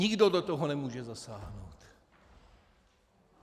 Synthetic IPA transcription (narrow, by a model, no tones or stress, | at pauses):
iɡd̪ɔd̪ɔt̪ɔɦɔnɛmuːʒɛzasaːɦnowt̪